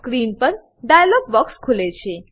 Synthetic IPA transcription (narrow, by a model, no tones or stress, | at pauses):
kɾiːnpəɾ | ɖajlɔɡ̚bɔkskʰulet͡ɕʰe